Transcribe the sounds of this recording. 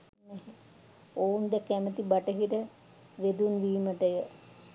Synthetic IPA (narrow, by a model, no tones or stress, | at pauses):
neɦe | ound̪ɛkːɛmət̪ibaʈəɦiɾə | ʋed̪unʋiːməʈəjə